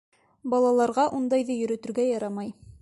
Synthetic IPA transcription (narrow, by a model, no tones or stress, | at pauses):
bɑlˠɑlˠɑɾʁɑʔund̪ɑjðɤjɵ̆ɾɵ̆t̪ɵ̆ɾɡæjɑɾɑmɑj